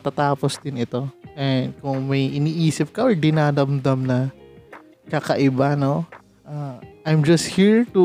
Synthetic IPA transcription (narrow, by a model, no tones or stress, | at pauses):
t̪at̪aːposd̪ɪnɪt̪o̞ʔɛnd̪̚kʊŋmɐjʔɪniːʔiːsɪp̚kɐʔoɹd̪ɪnaːd̪ɐmd̪ɐmnɐ | kakɐʔɪbɐno | ʔaʔajmd͡ʒɐst̪̚hiɹt̪u